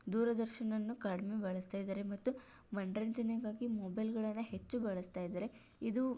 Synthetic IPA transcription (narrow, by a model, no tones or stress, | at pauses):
d̪uːɾɐd̪ɐɾʃɐnɐnːukaːɽmebɐɭɐst̪aːjd̪ɐːɾemɐt̪ːu | mɐɳɖɾɐnd͡ʒɐneɡaːɡimobɐjlɡɐɭɐnːɐhe̞t͡ʃːubɐɭɐst̪aːjd̪ɐːɾe̞ | id̪u